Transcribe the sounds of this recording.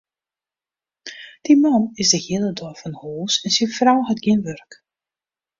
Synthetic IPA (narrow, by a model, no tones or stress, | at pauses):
d̥imɔnɪsdəhiələdɔfɔnhoːsɛnsifrawɦətɡ̥iənʋørk